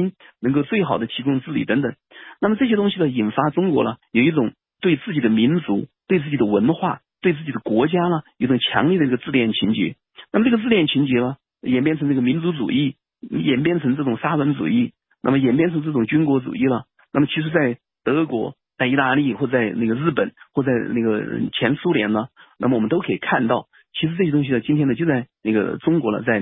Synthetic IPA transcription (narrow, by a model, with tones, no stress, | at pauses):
nnə˧˥ŋko˥˧ʊt͡swe˥˩ɪxɑ˨˩ʊd̪ə˦t͡ɕʰi˧˥kʊ˥ŋʈ͡ʂɹ̩˥˩li˨˩t̪ə˧˥ŋt̪ə˨˩ŋna˥˩mə˩ʈ͡ʂɤ˥˩ɕjɛ˥t̪ʊ˥ŋɕi˨lə˧i˨˩nfa˥ʈ͡ʂʊ˥ŋkwɔ̰˧˥lə˧jo˨˩ʊi˥˩ʈ͡ʂʊ˨˩˦ŋ | t̪we˥˧ɪt͡sɹ̩˥˩t͡ɕi˨˩d̪ə˦mi˧˥nt͡su˧˥t̪we˥˧ɪt͡sɹ̩˥˩t͡ɕi˨˩ə˦wə˧˥nxwa˥˩t̪we˥˧ɪt͡sɹ̩˥˩t͡ɕi˨˩d̪ə˦kwɔ˧˥t͡ɕja˥lə˧jo˨˩ʊʈ͡ʂʊ˨˩ŋt͡ɕʰjɑ̰˧˥ŋli˥˩d̪ə˧i˧˥ɡə˧t͡sɹ̩˥˧ljɛ˥˩nt͡ɕʰi˧˥nt͡ɕɛ̰˧˥ | na˥˩ə˩ʈ͡ʂɤ˥˩ɡə˧t͡sɹ̩˥˧ljɛ˥˩nt͡ɕʰi˧˥nt͡ɕɛ˧˥lə˧ | jɛ˨˩npjɛ˥˩nʈ͡ʂʰɤ˧˥ŋnɤ˥˩ə˩mi˧˥nt͡su˧˥t͡sṵ˨˩i˥˩ | jɛ˨˩np̬jɛ˥˩nʈ͡ʂʰɤ˧˥ŋʈ͡ʂɤ˥˩ʈ͡ʂʊ˨˩ŋsa˥wə˧˥nt͡sṵ˨˩i˥˩ | na̰˥˩mə˩jɛ˨˩npjɛ˥˩nʈ͡ʂʰɤ˧˥ŋʈ͡ʂɤ˥˩ʈ͡ʂʊ˨˩ŋt͡ɕy˥nkwɔ˧˥t͡sṵ˨˩i˥˩lə˩ | na˥˩mə˩t͡ɕʰi˧˥ʂ̬ɻ̩˧˥t͡sa˥˩ɪ | t̪ɤ˧˥kwɔ˧˥ | t͡sa˥˩ɪi˧˥t̪a˥˧li˥˩xwɔ˥˩˧t͡sa˥˧ɪna˥˩ɡə˩ɻɻ̩˥˩pə˨˩˦nxwɔ˥˧˩t͡sa˥˧ɪna˥˩ɡə˩ə̰˧t͡ɕʰjɛ˧˥nsu˥ljɛ˧˥nlə˧na˥˩mə˩wɔ˨˩mə˦nt̪o˥ʊkʰɤ˧˥i˨˩kʰa˥˧nt̪ɑ˥˩ʊ | t͡ɕʰi˧˥ʂɻ̩˧˥ʈ͡ʂɤ˥˩jɛ˥t̪̬ʊ˥ŋɕ̬i˧lə˧˩t͡ɕi˥nt̪ʰjɛ˥nd̪ə˧t͡ɕjo˥˧ʊt͡sa˥˧ɪna˥˩ɡə̰˩ʈ͡ʂʊ˥ŋkwɔ˧˥lə̰˧t͡sa˥˩ɪ